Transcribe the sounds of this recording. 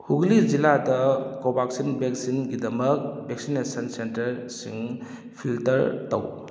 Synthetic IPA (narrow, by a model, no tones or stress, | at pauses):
huɡlid͡ʒiladɐkobaksinbeksinɡidɐmɐk̚bek̚sinesɐnsentɐɾsḭŋ | pʰiltɐɾtɐw